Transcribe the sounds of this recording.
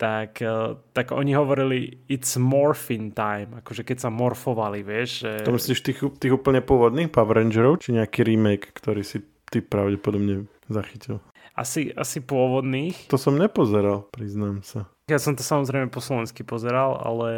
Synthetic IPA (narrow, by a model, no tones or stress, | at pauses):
t̪akt̪aɡɔ̰ɲiɦɔʋɔɾiliit̪z̥mɔɾfint̪ajmakɔʒɛkɛcsamɔɾfɔʋaliʋɪɛʒʒɛt̪ɔmisliʃt̪ixt̪iːɣuːpl̩ɲɛpʊɔʋɔd̪niːxpaʋɾɛnd͡ʒɛɾɔʊt͡ʃiɲɛakiɾimɛjkːt̪ɔɾiːsi | t̪ipɾaʊɟɛpɔd̪ɔbɲɛ | zaxicil | a̰sia̰sipʊɔʋɔd̪niːxt̪ɔsɔmɲɛpɔzɛɾalpɾiznaːmsa | jasɔmt̪ɔ̥samɔzɾɛɪmɛpɔslɔʋɛnskipɔzɛɾala̰lɛ